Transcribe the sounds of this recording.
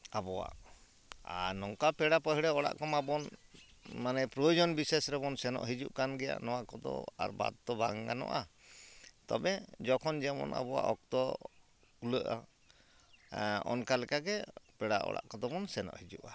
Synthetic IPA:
abɔwa̰ʔ | anɔŋkapɛɽapəɦiɽɛɔɽa̰ʔkɔmabɔn | manɛpɾɔjɔd͡ʒɔnbisesɾɛbɔnsɛnɔ̰ʔɦid͡ʒuʔkanɡɛja̰ʔnɔwakɔd̪ɔ̰a̰ɾba̰d̪̚t̪ɔbaŋɡanɔ̰ʔa | t̪ɔbɛd͡ʒɔkʰɔnd͡ʒɛmɔ̰na̰bɔwa̰ʔɔk̚t̪ɔ | kuləʔa̰ | ɔ̰nkalɛkaɡɛpɛɽaʔɔ̰ɽa̰ʔkɔd̪ɔbɔnsɛnɔ̰ʔhid͡ʒuʔa

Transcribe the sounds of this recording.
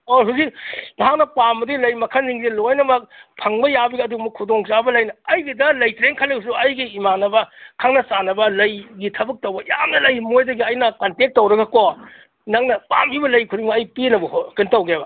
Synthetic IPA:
oɦuziklɐɦak̚nɐpambɐdilɐjmɐkʰɐnziŋsilojnɐmɐk̚pʰɐŋbɐjabiɡɐːduɡmɐkʰudoŋt͡ʃabɐlɐjnɐɐjɡidɐlɐjtɾeŋkʰɐlewsuɐjɡiimanɐbɐkʰaŋnɐsanɐbɐlɐjɡitʰɐbɐk̚tɐwbɐja̰mnɐlɐjmojdɐɡiɐjnɐkɐntek̚tːɐwɾɐɡɐko | nɐŋnɐpa̰mbibɐlɐjkʰuɾiŋmɐːjpinɐbɐɦokintɐwɡebɐ

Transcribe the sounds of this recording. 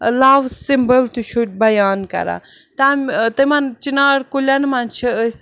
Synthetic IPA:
laːʋsimbəlt̪uʃuʈ̚bɐjaːnkɐ̰ɾa̰ | t̪amt̪ɐmɐnt͡ʃinaːɽkulʲanmant͡ʃʰiəs

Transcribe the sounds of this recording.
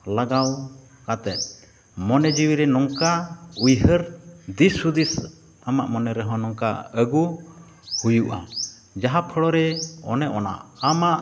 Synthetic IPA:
laɡaw | kat̪ɛt̪̚ | mɔnɛd͡ʒiwiɾɛnɔŋkaujɦəɾd̪isud̪is | amaʔmɔnɛɾɛɦɔ̃nɔŋka̰əɡu | hujuʔa̰ | d͡ʒaɦapʰəɽɔɾɛɔ̰nɛʔɔna̰ʔamaʔ

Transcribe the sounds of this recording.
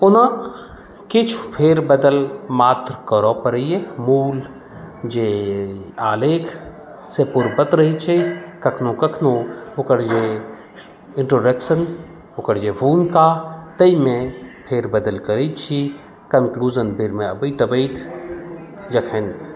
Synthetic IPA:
ʊnã | kɪt͡ʃʰpʰeːɾbɐd̪əlmaːt̪ɾkəɾɔːpɐɾəemuːl | d͡ʒeː | aːleːkʰ | sepʊɾbət̪ɾɐɦit͡ʃʰekɐkʰnõkɐkʰnõʊkəɾd͡ʒe | ɪɳʈɾoːɖekʃən | ʊkəɾd͡ʒeːbuːnkaːt̪ɐimẽpʰeːɾbɐd̪əlkəɾit͡ʃʰi | kɐnkluːzənbiɾmẽɐbəit̪ɐbəit̪ʰ | d͡ʒɐkʰen

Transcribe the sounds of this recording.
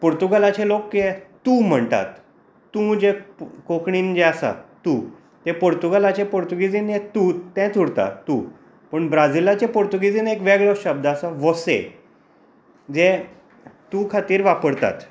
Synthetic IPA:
poɾt̪uɡalat͡ɕelokːet̪ũːm̤əɳt̪a̰t̪ː | ũd͡ʑekokɳiːnd͡ʑeasa̰t̪u | t̪epoɾt̪uɡalat͡ɕepoɾt̪uɡid͡zinjet̪uːt̪ɛ̃t̪ʰuɽt̪a̰ːu | pəɳbɾad͡zilat͡ɕepoɾt̪uɡid͡ziːnekʋeɡɭɔɕəb̚d̪aasaʋɔsḛ | d͡ze | t̪ũːkʰat̪iːɾʋapəɽt̪a̰t̪

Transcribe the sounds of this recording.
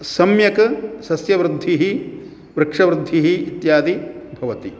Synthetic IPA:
sɐmjɐkɐsɐsjɐʋɾɪd̪ʱːiɦi | ʋɾɪkʂɐʋɾɪd̪ʱːiɦiːt̪jaːd̪ibʱɐʋɐt̪i

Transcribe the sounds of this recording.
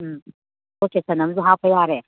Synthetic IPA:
oːkesɐnɐmzuɦaːpʰɐjaːɾe

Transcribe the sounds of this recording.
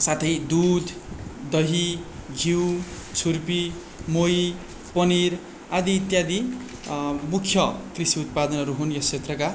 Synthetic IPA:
sat̪ʰʌjd̪ud̪ʱd̪ʌɦiɡʱiwt͡sʰurpi | moj | pʌniɾ | ad̪iːt̪jad̪i | mukʰjʌkrisiut̪̚pad̪ʌnʌɾuɦunjʌst͡sʰet̪rʌka

